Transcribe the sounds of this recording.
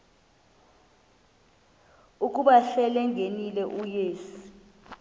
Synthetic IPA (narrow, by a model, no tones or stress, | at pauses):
uk̬ʼuɓaɬɛlɛŋʱenilɛʔujeːsi̥